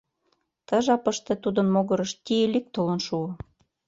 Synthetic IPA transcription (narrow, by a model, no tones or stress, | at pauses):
t̪ə̆ʒɑpəʃt̪ĕt̪ud̪ə̆nmoɣɤ̆ɾə̆ʃt̪ʲielik̚t̪olə̆nʃuo